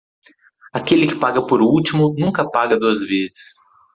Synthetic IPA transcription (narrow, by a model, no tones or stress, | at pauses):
akelɪkɪpaɡɐpoɾut͡ʃimʊnũkɐpaɡɐd̪uɐzvezɪs